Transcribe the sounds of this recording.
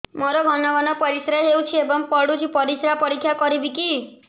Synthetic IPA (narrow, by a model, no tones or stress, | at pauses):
mɔɾɔɡʱɔnɔʋanɔpɔɾisɾaɦewt͡ʃʰiebɔŋpɔɽut͡ʃʰipɔɾisɾapɔɾikʰjakɔɾibiki